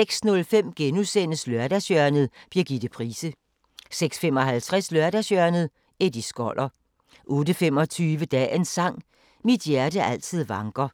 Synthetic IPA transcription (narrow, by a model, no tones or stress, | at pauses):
eɡ̥snɔ̽lfem̰ɡ̥enusenəslœɐd̥æsjœɐnð̩ˠb̥iɐ̰ɡ̥id̥̩pʰʁiːsə | seɡ̥sfem̰ɒ̽hælt͡sʰʁɛslɶɐdæsjœɐnð̩ˠ | ed̥isɡ̥ɒl̰ʔɐ | ʔɔ̽ːd̥əfem̰ɒ̽t͡sʰyːʋəd̥ɛ̰ːensɑ̈ŋ̰ | mid̥jæɐdəʔæl̰t͡sʰið̰ˠʋɑ̈ŋɡ̥ʁɐ